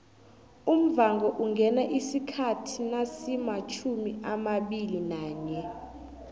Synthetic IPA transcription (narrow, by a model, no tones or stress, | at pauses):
um̩vaŋɡɔʔuŋɡʱɛnaʔisikʰatʰinasimat͡ʃʰumiʔamaɓilinaːɲɛ